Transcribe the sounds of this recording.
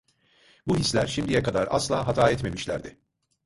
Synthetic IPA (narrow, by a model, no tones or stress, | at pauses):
buɦislʲæɾʃimd̪ijɛkad̪aɾa̰slˠaːɦat̪ʰaːɛt̪me̞miʃlʲæ̰ɾd̪ɪ